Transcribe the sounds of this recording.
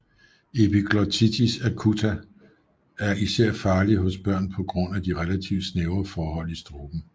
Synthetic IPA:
e̝pikʰlɒt͡sʰit͡sʰisækʰut͡sʰæ | æɐʔisæɐ̰fɑ̈ːliɦɔ̽sb̥ɶɐ̰npʰɒ̽ɡ̥ʁɔ̽n̰æd̥iʁelæt͡sʰiʊ̥sneʊɐfɒːɦɒ̽l̰isd̥ʁo̝ːb̥n̩

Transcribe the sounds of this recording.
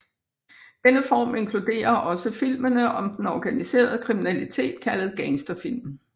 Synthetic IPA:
d̥enəfɒ̰ːme̝ŋkʰlud̥e̝̰ːɐʔɒ̽səfil̰mənəʔɒ̽md̥en̩ɒɡ̥ænise̝̰ːɐð̞ˠəkʰʁiminælit͡sʰe̝̰ːd̥̚kʰælð̩ˠɡ̥ænsd̥ɐfil̰m

